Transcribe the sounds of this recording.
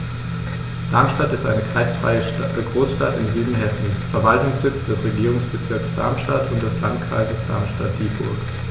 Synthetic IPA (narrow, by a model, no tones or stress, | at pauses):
d̥aɐmʃtatɪstʔaɪnəkʁ̥aɪsfʁ̥a̰ɪəəɡʁoːsʃtatɪmzyːdn̩ɦɛsn̩sfɛɐvaltʊŋsz̥ɪt͡sd̥ɛsʁeɡiːʁʊŋsb̥ət͡sɪɐksd̥a̰ɐmʃtatʊntd̥ɛslantkʁ̥a̰ɪzəsd̥a̰ɐmʃtat̚d̥iːbʊ̰ɐk